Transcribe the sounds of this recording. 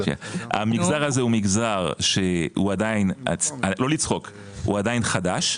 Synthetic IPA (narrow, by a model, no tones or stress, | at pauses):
kḛa̰miɡzaʁhazeumiɡzaʁʃeṵad̪aina̰alo̞lit͡sχo̞k | ṵad̪ajinχad̪aʃ